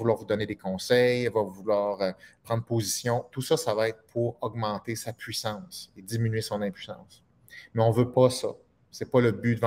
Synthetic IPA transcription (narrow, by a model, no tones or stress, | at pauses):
vulwaːʁvud̪ɔned̪ekɔ̃sɛjɛvɔvulwaːʁøpʁɑ̃d̪ʁpozisjɔ̃t̪usʌsavaɛt̪̚χpʰuʁɔɡmɑ̃t̪esapʰɥisɑ̃ŋsed̪d͡z̪iminɥesɔ̃nɛ̃pɥisɑ̰̃s | mɛɔ̃vøpʌsʌ̰ | sɛpʌləbyd̪əv